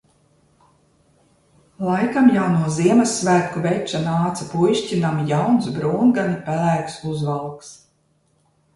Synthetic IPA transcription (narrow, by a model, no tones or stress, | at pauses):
lˠajkamjawnuɔziɛmasːvæːkuvɛjt͡ʃanaːt̪sapujʃcinamijawnsbɾuːnɡanipælæːksuzvalˠks